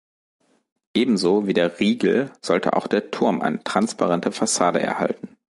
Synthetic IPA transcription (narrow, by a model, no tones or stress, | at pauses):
ʔeːbm̩zoːviːdeːɐʁiːɡl̩z̥ɔltʰə̰ʔa̰ʊxd̥eːɐtʰʊɐmʔa̰ɪnətʁ̥anspʰaʁɛntʰəfasaːdə̰ʔɛ̰ɐha̰ltn̩